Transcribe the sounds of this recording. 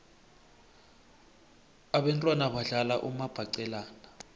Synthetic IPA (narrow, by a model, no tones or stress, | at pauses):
aɓɛntʼwanaɓaɮalaʔumab̥ʱaǀɛlaːna